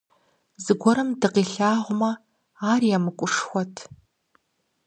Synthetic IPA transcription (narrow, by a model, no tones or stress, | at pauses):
zɨɡʷɔɾɐmdɨqiːɬaːʁʷʊmɐ | aːrijamɨkʷʼʊʂxʷɔtʰ